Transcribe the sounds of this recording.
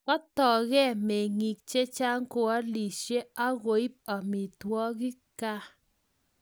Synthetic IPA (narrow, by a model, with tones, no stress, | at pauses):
kɔ˦tɔ˨ɣɛ˦˨me˨ŋi˨k̚t͡ʃe˦t͡ʃa˦ŋ˦ko˨a˦li˨ʃe˦a˦ɣo˨˦i˦p̚a˨mi˨twɔ˦ɣɪ˦ka˦